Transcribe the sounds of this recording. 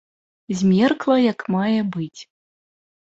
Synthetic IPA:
zʲmʲɛrklˠɐjɐkmajɛbɨt͡sʲ

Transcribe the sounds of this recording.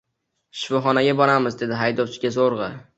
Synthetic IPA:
ʃɪfɒχɒnaɡʲabɒɾamɪzd̪e̞d̪ɪɦajd̪ɒwt͡ʃʰɪɡʲazoɾʁɨ

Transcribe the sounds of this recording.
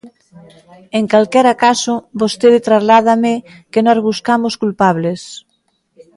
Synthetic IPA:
eŋkalkɛɾakasobost̪eðet̪ɾazlað̞ame | kenɔzβuskamoskulpaβles

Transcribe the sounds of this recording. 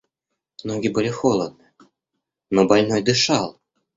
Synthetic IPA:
noɡʲibɨlʲɪxolˠəd̪̚nɨ | nobɑlʲnojd̪ɨʃɑlˠ

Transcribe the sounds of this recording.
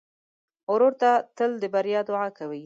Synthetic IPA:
ʊɾoɾt̪at̪əld̪əbaɾjɑd̪ʊʕakawi

